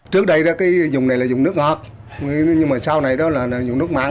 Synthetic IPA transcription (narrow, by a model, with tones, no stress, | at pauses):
t͡ɕɨ˦˥ək̚ɗə˧jɗɔ˨˦kaː˨˦jzʊ˨˩ŋ͡mna˨˩jlaː˨˩zʊ˨˩ŋ͡mnɨ˦˥ək̚ŋɔː˨˩t̚ | ɲɨ˧ŋmaː˨˩sa˧wna˨˩jɗɔ˨˦laː˨˩˨zʊ˨˩ŋ͡mnɨ˦˥ək̚ma̰˨˧˨